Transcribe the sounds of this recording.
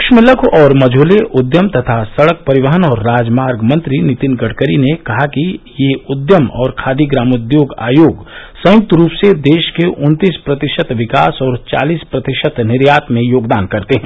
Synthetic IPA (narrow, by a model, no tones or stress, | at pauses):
kʃmɪləkʰɔːɾmɐd͡ʒʱoːleʔʊd̪jəmt̪ɐt̪ʰasɐɽək̚pɐɾɪʋəɦənɔːɾːaːd͡ʒmaːɾɡmɐ̃nt̪ɾinɪt̪ɪnɡəɽkəɾinekɐɦakijeʊd̪jəmɔːɾkʰaːd̪iɡɾaːmʊd̪joːɡa̰ːjoːɡsɐ̃jʊk̚t̪ɾuːpsed̪eːʃkeʔʊ̃nt̪iːspɾɐt̪ɪʃət̪ʋɪkaːsɔːɾt͡ʃa̰ːliːspɾɐt̪ɪʃət̪nɪɾjaːt̪mẽjoːɡd̪aːnkɐɾt̪eɦɛ̃ː